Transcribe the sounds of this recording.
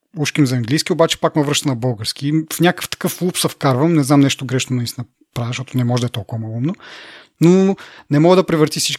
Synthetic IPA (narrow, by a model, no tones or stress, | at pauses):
uʃkʲinzɐɐŋɡlijsk̟ʲiobat͡ʃɛ̥pakmɐvɾɤʃt̪ɐnɐbɤlˠɡəɾskʲifnʲakə̥ft̪ɐ̥kɤflˠupsɐfkaɾvɐmnɛznamnɛʃt̪ʊɡɾɛʃnod̪ɐisnɐ | pɾavʲɛʃt̪ɔt̪onɛmɔʒɛd̪ɐɛt̪ɔlˠkʊvɐmɐlˠumno | nonɛmɔɡəd̪ɐpɾɛvəɾt̪ifsit͡ʃ